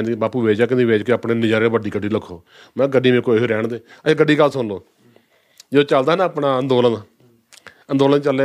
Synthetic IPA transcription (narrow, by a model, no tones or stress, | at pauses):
nd̪baːpuːʋeːd͡ʒaːkɪnd̪iːʋeːd͡ʒkeaːpneːnɪd͡ʒaːɾeːʋəɖiːɡəɖiːləkʰːoː | mɛ̃ːɡəɖiːʋeːkoːɦeːɾɛːɳd̪eːəeːɡəɖːiːkasonloː | d͡ʒ̪ːt͡ʃəld̪aːɦnaəpɳaːənd̪oːlən | ənd̪oːlənt͡ʃəle